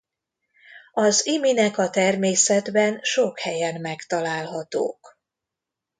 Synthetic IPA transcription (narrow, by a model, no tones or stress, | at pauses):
ɒziminɛkɒt̪ɛrmeːsɛd̪bɛnʃo̞khɛjɛnmɛkt̪ɒlaːlɦɒt̪o̰ːk